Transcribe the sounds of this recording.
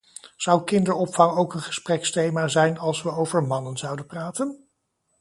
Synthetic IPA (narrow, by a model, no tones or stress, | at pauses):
z̥ɑwkɪndəɹɔpfɑŋowkənχə̥sprɛkstejmaːzɛjnɑlˠsʋəowvəɹmɑnənzɑwdənpraːtən